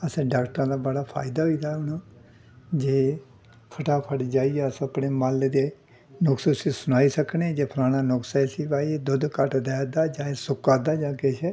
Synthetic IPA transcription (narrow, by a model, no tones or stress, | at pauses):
əsẽɖaːkʈəɾãːd̪aːbəɽaːpʰa̰ːɪd̪aːɦoiːd̪aːʊnãː | d͡ʒeː | pʰəʈaːpʰəɽd͡ʒaːiɛːəsəpɽeːmaːled̪eː | nʊksəsiːsʊnaːiːsəkned͡ʒeːpʰlaːnaːnʊksasiːbaːied̪ʊd̪kəʈd̪ɛːd̪aːd͡ʒãːesʊkːaːd̪aːd͡ʒãːket͡ʃʰɛː